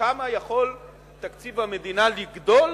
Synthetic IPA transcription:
amajaχo̞l | t̪akt͡sivamed̪inaliɡd̪ol

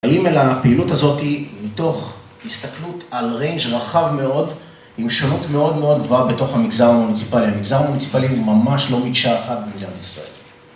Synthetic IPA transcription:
aimelapeilutazo̞timito̞χ | hist̪aklutalʁejnd͡ʒʁaχavme̞o̞d | imʃonutme̞o̞d̪me̞o̞d̪̚ɡvoabeto̞χhamiɡzaʁmunit͡si̥paliamiɡzaʁmunit͡si̥paliumamaʃlo̞mikʃaeχat̚bedinat̪isʁa̰e̞̰l

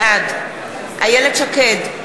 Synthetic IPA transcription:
ad̪ | ha̰jeled̪ʃaked̪

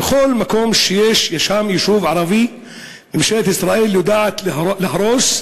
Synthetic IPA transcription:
bxoːlmakoːmʃjeːʃjaʃamjɪʃuːvʕɑɾˤɑbi | ʔɪmʃeːʔt̪ʔɪsɾˤɑːʔiːljʊd̪aʕat̪llɪhɑɾˤoːʃ

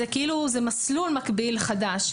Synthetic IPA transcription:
ekʔiluzemaslulmakbilχad̪aʃ

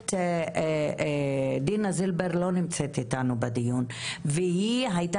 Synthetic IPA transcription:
t̪ | d̪inazilbeɾlo̞nimt͡set̪it̪anubad̪ijunvehiɦajta

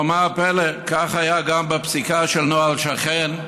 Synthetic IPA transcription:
omapelekaχhajaɡambepsikaʃelnoalʃaχen

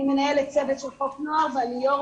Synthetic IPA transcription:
menaelet̪t͡sevet̪ʃelħoknoavalijo

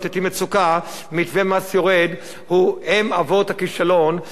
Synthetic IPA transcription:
t̪et̪imet͡suka | mit̪vemasjoʁed̪ | huhemavot̪hakiʃalon

